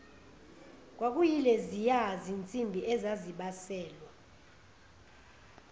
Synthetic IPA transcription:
k̬ʼwak̬ʼujilɛzijazint͡sʼimbʱiʔɛzaziɓasɛːlwa

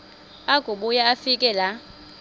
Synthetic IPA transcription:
aɡ̥ʱuɓujaːfikʼɛla

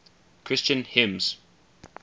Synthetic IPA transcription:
kʰɹ̥ɪst͡ʃə̃nhɪ̃mz̥

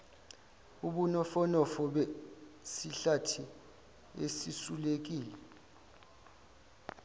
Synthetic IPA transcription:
uɓunɔfɔnɔfɔɓɛsiɬatʰi | esisulek̬iːlɛ

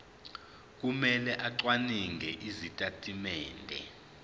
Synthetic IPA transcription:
k̬umɛlɛʔaǀwaniŋɡʱɛʔizitʼatʼimɛːndʱɛ̰

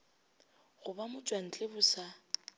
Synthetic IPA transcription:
ɣʊbamʊt͡ʃʼwan̩t͡ɬʼɪbʊsa

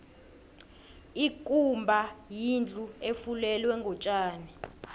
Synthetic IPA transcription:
ikʼumbʱajind͡ɮʱuefulɛlwɛŋɡʱɔt͡ʃʼaːni

